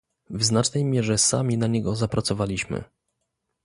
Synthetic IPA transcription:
vznat͡ʂnɛjmʲjɛʐɛsa̰mʲinaɲɛɡɔzapɾat̪sɔvalʲiɕmɘ̰

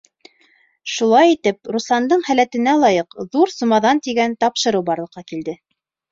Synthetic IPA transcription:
ʃulˠɑjit̪ɘp̚ɾuslˠɑnd̪ɤɴhælæt̪ɘ̆nælˠɑjɤqðuɾsŭmɑðɑnt̪iɡænt̪ɑpʃɤ̆ɾɤwbɑɾlˠɤ̆qːɑkild̪ɘ

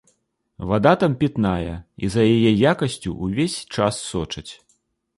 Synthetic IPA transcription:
vad̪at̪ampʲit̪najɐḭzɐjajɛjakɐsʲt͡sʲṵʔuvʲesʲt͡ʂasːɔt͡ʂɐt͡sʲ

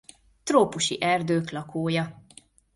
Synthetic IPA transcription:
t̪roːpuʃḭʔɛrd̪øːklɒkʰoːjɒ

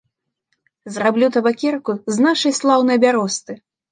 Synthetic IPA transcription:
zrablʲut̪ɐbakʲɛrkuznaʂɐjslˠawnɨjɐbʲaɾɔst̪ɨ

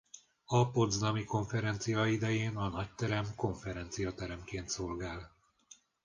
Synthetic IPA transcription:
ɒpo̞d̪znɒmiko̞ɱfɛɾɛnt̪sijɒid̪ɛjeːnɒnɒct̪ɛɾɛmko̞ɱfɛɾɛnt̪sijɒt̪ɛɾɛmkeːnt̪so̞lɡaːl

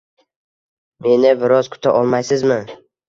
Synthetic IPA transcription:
me̞nɪbɪɾɒzkʰʊ̥t̪ʰaʔɒlˠmajsɪzmɪ

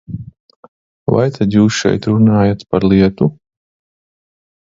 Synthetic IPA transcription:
va̰jt̪ʰad̪juːsʃɛ̰jt̪ɾunaːjat̪paɾlˠiɛt̪u

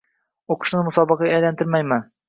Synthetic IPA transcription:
oqʊ̥ʃnɪmʊsɒbɑqɑæjlant̪ɪɾmajmɪ

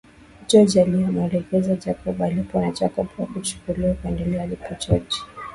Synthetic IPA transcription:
d͡ʒɔd͡ʒialiamɛlɛkɛzad͡ʒakɔɓalipɔnat͡ʃakɔɓwakut͡ʃu̥kuliwakuɛndɛlɛalipɔt͡ʃɔd͡ʒi̥

